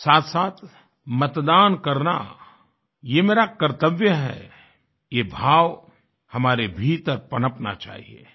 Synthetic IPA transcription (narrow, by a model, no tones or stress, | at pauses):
saːt̪ʰsaːt̪ʰ | mɐt̪d̪aːnkɐɾna̰ | jemeːɾakəɾt̪əʋjəɦɛ̰ | jebʱaːʋ | hɐmaːɾebʱit̪əɾpɐnəpna̰t͡ʃa̰ːɦḭḛː